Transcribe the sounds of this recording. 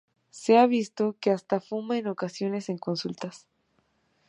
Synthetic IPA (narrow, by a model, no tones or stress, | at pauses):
se̞aβist̪o̞ke̞ast̪afumaeno̞kasjo̞ne̞se̞ŋko̞nsult̪as